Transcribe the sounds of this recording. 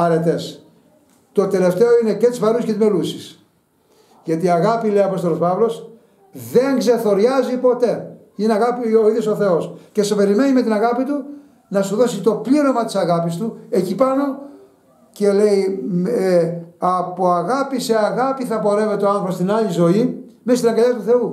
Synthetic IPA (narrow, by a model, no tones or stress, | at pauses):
ɐɾe̞t̪e̞s | t̪o̞t̪e̞le̞ft̪e̞o̞ine̞ce̞t̪izvɐɾusceme̞lusis | ʝɐt̪iɐɣɐpile̞iɐpo̞st̪olo̞spɐvlo̞s | ðe̞ŋɡze̞θo̞ɾʝɐzipo̞t̪e̞ | ineɐɣɐpioiðjoso̞θe̞o̞sce̞sepe̞ɾime̞nime̞t̪inɐɣɐpit̪u | nɐsuðo̞sit̪o̞pliɾo̞mɐt̪isɐɣɐpist̪ue̞cipɐno̞ | ce̞le̞ieɐpo̞ɐɣɐpise̞ɐɣɐpiθɐpo̞ɾemet̪oɐnθopost̪inɐʎizo̞ime̞st̪inɐŋɡɐʎɐt̪uθe̞u